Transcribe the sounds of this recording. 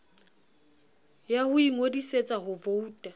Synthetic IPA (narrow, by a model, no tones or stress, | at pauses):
jahʊiŋodiset͡sʼaɦʊvouːtʼa